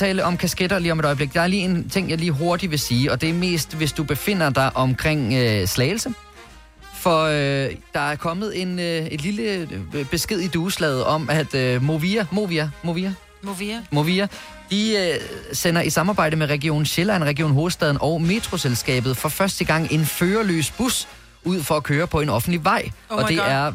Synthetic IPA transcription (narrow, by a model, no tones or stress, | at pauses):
ɛ̰ːləʔɒ̽mkʰæsɡ̥ed̥ɐliːɒ̽me̝ɾ̥ɒ̽ɪəb̥le̝ɡ̥d̥ɑ̈æɐliːe̝nt͡sʰe̝ŋ̰jɑ̈ɪliːɦo̝ɐd̥iʋe̝siːɒ̽d̥e̝æɐme̝̰ːsd̥ʋe̝sd̥ub̥e̝fe̝n̰ɐd̥ɑ̈ɪʔɒ̽mkʰʁeŋ̰øslɛːɪl̩sə | fɒ̽d̥ɑ̈æɐkʰɒ̽məð̩ˠe̝nøe̝d̥liləb̥e̝sɡ̥e̝ð̞̰ˠid̥uːslɛð̞̩ˠɒ̽mæd̥moimo̝ʋiæmoʋi | mo̝ʋiæ | d̥i | sen̰ɐʔisɑ̈mɑ̈ːbɑ̈ɪdəmeʁɛɡio̝̰ːn̩ɕelænʁɛɡio̝̰ːnɦo̝ːð̩ˠsd̥ɛð̞ˠn̩ʔɒʊme̝t͡sʰʁo̝selsɡ̥ɛ̰ːb̥ð̩ˠfɒ̽fɶɐsd̥əɡ̥ɑ̈ŋ̰e̝nføːɐlø̰ːsb̥us | uð̞̰ˠfɒ̽ækʰøːɐpʰɒ̽e̝nɒ̽fn̩d̥liʋɑ̈ɪ̰ɒ̽d̥e̝ʔæɐ